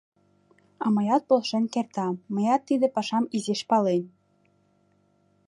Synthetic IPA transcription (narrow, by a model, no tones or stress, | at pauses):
ɑmɤ̆jɑt̪̚polˠʃenʲkert̪ɑmə̆jɑt̪ːid̪ĕpɑʃɑmizeʃpɑlen